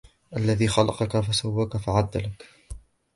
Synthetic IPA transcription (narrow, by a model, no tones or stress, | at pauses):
ʔalːaðiːxɑlɑqɑkafasawːaːkafaʕad̪ːalak